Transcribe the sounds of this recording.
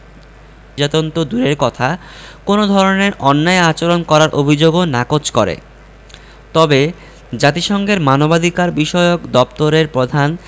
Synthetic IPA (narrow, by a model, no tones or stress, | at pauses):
d͡ʑat̪ont̪od̪uɾeɾkɔt̪ʰa | konod̪ʱɔɾoneɾɔnːaeat͡ɕoɾonkɔɾaɾʔobʱid͡ʑoɡonakot͡ɕkɔɾḛ | t̪ɔbe | d͡ʑat̪iʃɔŋɡeɾmanobad̪ʱikaɾbiʃɔeokd̪ɔpt̪oɾeɾpɾod̪ʱan